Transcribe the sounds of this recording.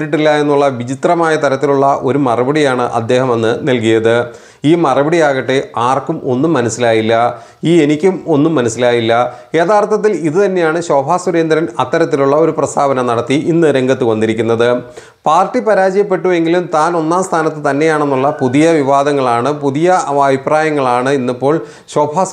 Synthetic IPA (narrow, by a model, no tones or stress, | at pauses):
ʈːiʈːilːɐe̞nːuɭːɐʋid͡ʑit̪rɐmaːjɐt̪ɐɾɐt̪ːiluɭːɐʔo̞ɾumɐrɐbiɽijaːɳɨʔɐ̰d̪ːe̞ːhɐmenːɨnɐlk̬ijɐðɨ | iːmɐrɐbiɽijaːɣɐʈːeaːrkumʔo̞nːumːɐnɐsilaːjilːɐ | iːe̞nikʲːumo̞nːumːɐnɐsːilaːjilːɐ | e̞ːðaːrt̪ʰːɐt̪̬ːiliðɨt̪ɐnːe̞jaːɳɨɕo̞ːbʱaːsuɾe̞ːnd̪ɾɐnɐt̪ːɐɾɐt̪̬ːiluɭːɐo̞ɾuprɐst̪ʰaːbɐnɐmnɐɽɐt̪ːiʔinːɨɾeŋɡɐt̪ːɨkɐnd̪iɾikʲːunːɐðɨ | paːrʈːipɐɾaːd͡ʑɐjɐpːe̞ʈːue̞ŋɡilumt̪aːno̞nːaːmst̪ʰaːnɐt̪ːɨt̪ɐnːe̞jaːɳe̞nːuɭːɐpuðijɐʋiʋaːd̪ɐŋːɐɭaːɳɨpuðijɐɐbʱipraːjɐŋːɐɭaːɳɨinːɐpːo̞ːɭ | ɕo̞ːbʱaː